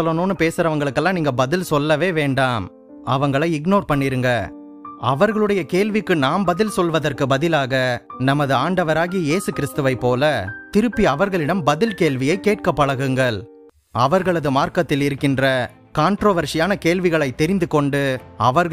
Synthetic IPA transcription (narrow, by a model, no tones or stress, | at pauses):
ɔlːɐnoːnːɯpeːsɯɾɐʋɐŋɡɐɭɯkːɐlːãːniːŋɡɐbɐðɪlsɔlːɐʋeːʋeːɳɖaːm | ɐ̰ʋɐŋɡɐɭɐɪɪɡnoːɾpɐɳːɪɾɯŋɡɐ | ɐʋɐɾɣɐɭɯɽɐjɐkeːɭʋɪkːɯnaːmbɐðɪlsɔlʋɐðɐrkɯbɐðɪlaːɣɐnɐmɐðɯaːɳɖɐʋɐɾaːɣɪjɐjeːsɯkɪɾɪst̪ɯʋɐɪpːoːlɐt̪ɪɾɯpːiɐʋɐɾɣɐɭɪɽɐmbɐðɪlkeːlʋɪjɐɪkːeːʈ̚kɐpːɐɽɐɣɯŋɡɐɭ | ɐ̰ʋɐɾɣɐɭɐðɯmaːɾkɐt̪ːɪlɪɾɯkːɪndrɐ | kaːɳʈɾoːʋɐɾʂɪjaːnɐkeːɭʋɪɣɐɭɐɪt̪ːɛɾɪnd̪ɯkɔɳɖɯɐʋɐɾɣ